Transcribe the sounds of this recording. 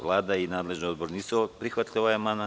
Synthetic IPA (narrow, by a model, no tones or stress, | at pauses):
lˠaːd̪ainaːd̪leʒniod̪boɾniːsupɾixʋat̪ʎʲioajemana